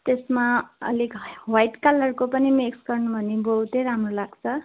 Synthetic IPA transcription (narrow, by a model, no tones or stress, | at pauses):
t̪esmaʌ̰likwajʈkalʌrkopʌnimeksɡʌrnubʱʌnibowt̪eɾamrolaɡt͡sʰʌ